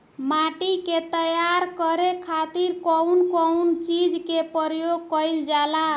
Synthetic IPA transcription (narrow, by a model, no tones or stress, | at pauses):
maʈiket̪əjaɾkəɾekʰat̪iɾkɔwnkɔwnt͡ʃid͡ʒkepəɾjoɡ̚kəjld͡ʒala